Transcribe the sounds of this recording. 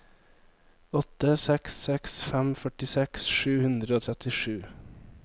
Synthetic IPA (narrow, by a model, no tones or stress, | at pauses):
ɔt̪əsɛksɛksfɛmfœʈɪsɛksʃʉːhʉnd̪ɾəoːt̪ʰɛt̪ɪʃʉː